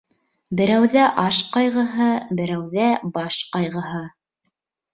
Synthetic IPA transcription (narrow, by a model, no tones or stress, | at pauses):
bɘ̆ɾæwðæʔɑʃqɑjʁɤ̆ɦɤbɘ̆ɾæwðæbɑʃqɑjʁɤ̆ɦɤ